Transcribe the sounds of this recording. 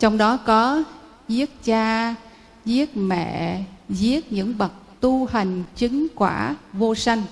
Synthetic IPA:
t͡ɕɔ˧wŋ͡mɗɔ˨˦kɔ˨˦ | zi˦˥ət̚t͡ɕaː˧ | zi˦˥ət̚mɛ̰˧˨zi˦˥ət̚ɲɨ̰˧˥ŋɓə˨˩t̚t̪u˧ha˨˩jŋ̟t͡ɕï˨˦ŋkwaː˧˩vo˧sa˧jŋ̟

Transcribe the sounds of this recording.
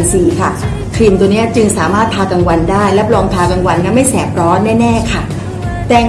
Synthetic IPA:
nsiː˨˩kʰa˥˩ | kʰɾi˨˩nt̪u˧ni˦˥ɐt͡ɕɯ˧ŋsaː˩˦maː˥˩t̪̚pʰaː˧ka˧ŋwa˧ndaː˥˩jlɛ˦˥plɔː˧mt̪ʰaː˧ka˧ŋwa˧nːa˦˥˩ma˥˩jsɛː˨˩p̚ɾɔː˦˥nnɛː˥˩nɛː˥˩kʰa˥˩ | t̪ɛː˨˩

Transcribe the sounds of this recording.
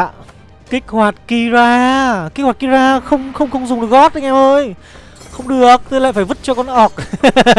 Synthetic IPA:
kï˦˥k̟̚hwaː˨˩t̚ki˧zaː˧ki˦˥k̚waː˨˩ki˧zaː˧xə˧wŋ͡mxə˧wŋ͡mxə˧wŋ͡mzʊ˨˩ŋ͡mɗk̚ɔ˦˥t̚ɗa˧˦ŋʔɛ˧mʔəː˧j | xə˧wŋ͡mɗɨ˨˩ək̚t̪ʰːjla̰ː˧˨faː˧˩jvɨ˦˥t̚t͡ɕɔ˧kɔ˧nʔɔ˨˩k̚

